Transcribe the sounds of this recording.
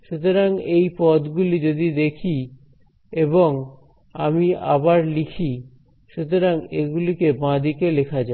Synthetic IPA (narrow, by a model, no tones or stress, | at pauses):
ʃut̪oɾaŋejpɔt̪ɡulid͡ʑod̪id̪ekʰi | eboŋ | amia̰baɾlikʰi | ʃut̪oɾaŋeɡulikebãd̪ikelekʰad͡ʑa